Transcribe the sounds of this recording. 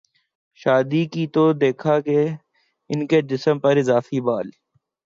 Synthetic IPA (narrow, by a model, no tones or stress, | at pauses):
ʃaːd̪iːkit̪od̪eːkʰaːke | ɪnked͡ʒɪsəmpəɾɪzaːfiːbaːl